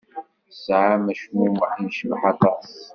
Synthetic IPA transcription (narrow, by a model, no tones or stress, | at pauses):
sʕamæʃmimwəħinʃəvħɑt̪ˤɑsˤ